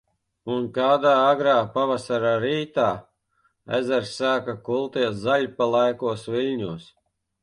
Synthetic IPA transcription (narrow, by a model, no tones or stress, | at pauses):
unkaːd̪aːaɡɾaːpavasaɾaɾiːt̪aː | æ̰zɛɾsaːkakulˠt̪iɛszaʎʲpalˠajkuɔsvilʲɲuɔs